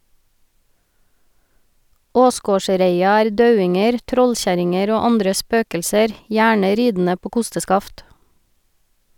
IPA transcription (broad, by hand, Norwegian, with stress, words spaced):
ˈoːˌsɡoːˌʃɾeɪɑ ˈæːɾ ˈdɑʉɪŋəɾ ˈtɾɔlˌçæɾɪŋəɾ ˈoː ˈɑndɾə ˈspøːkəlsəɾ ˈjæːɳə ˈɾiːdn̩ə ˈpoː ˈkʊstəˌskɑft